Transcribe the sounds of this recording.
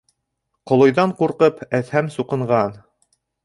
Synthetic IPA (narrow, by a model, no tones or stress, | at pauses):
qŏlˠŏjðɑɴquɾqɤpʰæθhæmsuqɤ̆ɴʁɑn